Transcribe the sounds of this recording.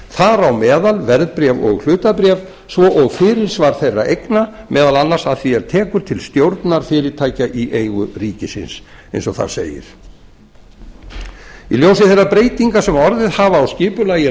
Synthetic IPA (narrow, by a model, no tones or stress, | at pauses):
θaɾawmɛːðalvɛɾðpɾjɛvɔ̰ɣl̥ʏːt̪apɾjɛv | svɔʔɔɣfɪːɾɪɾ̥svaɾ̥θejrːa̰ʔejknamʔɛːðalanːaɾ̥saðθiɛɾ̥t̪ʰɛːkʏɾ̥t̪ʰɪlst̪jowɾt̪naɾ̥fɪːɾɪt̪ʰaːjcaʔiʔejɣʏriːcɪsɪ̰ns | ḛjnsɔθa̰ðsḛːjɪ̰ɾ̥ | ḭljowsɪθejrːapɾejt̪iŋkasɛmɔɾðɪðhaːvaːwscɪːpʏlajɪ